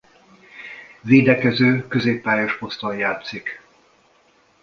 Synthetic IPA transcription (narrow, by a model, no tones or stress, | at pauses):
veːd̪ɛkɛzøːkø̞zeːpːaːjoʃpo̞st̪onjaːt̪sik